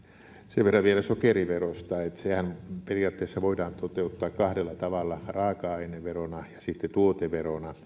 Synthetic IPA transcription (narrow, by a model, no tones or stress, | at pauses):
seʋʋerːɑʋʋielæsokeriʋerost̪ɑet̪sehænperiɑːt̪ːeːsːɑʋoidɑːnt̪ot̪eut̪ːɑːkkɑhɾelːɑt̪ɑʋɑlːɑrɑːkɑɑineʋeronɑjɑsit̪ːet̪uot̪eʋeronɑ